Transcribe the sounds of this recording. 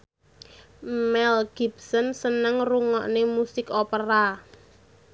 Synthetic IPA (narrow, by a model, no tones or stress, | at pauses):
mɛlɡ̥i̤psənsənəŋruŋɔʔnemusɪkopəɾa